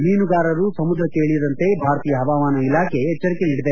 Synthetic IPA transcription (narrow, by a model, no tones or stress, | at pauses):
miːnuɡaːɾɐɾusɐmud̪ɾɐkːeeːɭid̪ɐnt̪e̞bʱaːɾt̪iːjɐɦɐʋaːmaːnɐilaːkʰe̞ːt͡ʃːɐɾikeniːɽid̪e